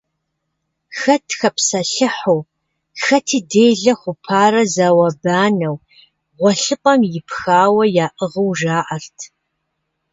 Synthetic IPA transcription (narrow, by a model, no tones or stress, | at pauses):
xɐtʰxɐpsɐɬɨħo | xɐtʰiːdeːjɮɐχʷʊpʰaːrɐzaːwɐbaːnɐw | ʁʷɔɬɨqʼɐmjɪpxaːwɐjaːʔɨʁɐwʒaːʔɐrtʰ